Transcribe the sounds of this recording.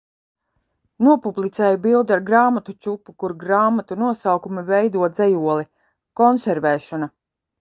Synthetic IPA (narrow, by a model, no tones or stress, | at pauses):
nuɔpublˠit̪sɛːjubilˠd̪aɾɡɾaːmat̪ut͡ʃʲupːukuɾɡɾaːmat̪unuɔsawkumivɛjd̪uɔd̪zɛjuɔlˠi | kɔnsʲɛɾvɛːʃɔna